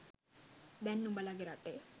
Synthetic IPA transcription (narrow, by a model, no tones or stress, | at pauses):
d̪ɛnːubalaɡeɾaʈːe